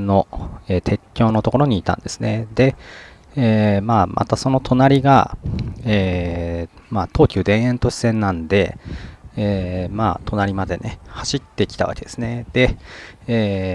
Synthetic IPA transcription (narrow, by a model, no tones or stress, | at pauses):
no̞eːt̪ʰe̞kʲːo̞ːno̞t̪o̞ko̞ɾo̞ɲ̟iːt̪ã̰nd̪e̞sɨ̥ne̞d̪̥e̞ | eːmaːmʔa̰t̪aso̞no̞t̪ʰo̞naɾʲiɡa̰ | eː | maːt̪o̞ːkʲɨɯːd̪ẽ̞ɰ̃ẽ̞nt̪o̞ɕi̥sẽ̞nːãnd̪e̞ | eːma̰ːt̪ʰo̞naɾʲimad̪e̞ne̞haɕit̪ːe̞kʲi̥t̪aβa̰ke̞d̪̥e̞sɨne̞d̪̥e̞eː